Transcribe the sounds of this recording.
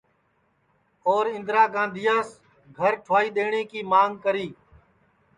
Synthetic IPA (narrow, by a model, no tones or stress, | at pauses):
oːɾɪ̃nd̪ɾaːɡãːnd̪ʱɪjaːs | ɡʱəɾʈʰaːiːɗ̪eːɳeːkiːmaːŋɡkəɾiː